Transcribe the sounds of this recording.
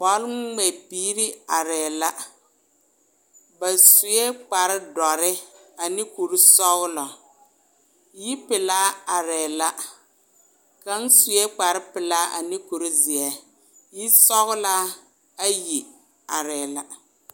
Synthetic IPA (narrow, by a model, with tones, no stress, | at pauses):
pɔ˦lŋ͡mɛ˨piː˦ɾɪ˦a˨ɾɛː˨la˦ | ba˨sʊ˨jɛ˦k͡pa˨ɾɪ˦dɔ˨ɾɪ˦a˨nɪ˦ku˨ɾi˦sɔ˦ɣʊ˦lɔ˨ | ji˦pɪ˨laː˦a˨ɾɛː˨la˦ | ka˦n˦sʊ˨jɛ˦k͡pa˨ɾɪ˦pɪ˨laː˦ʔa̰˨nɪ˦ku˨ɾi˦zɪ˨ɛ˦ | ji˦sɔ˦ɣʊ˦la˦ | a˦ji˨ | a˨ɾɛː˨la˦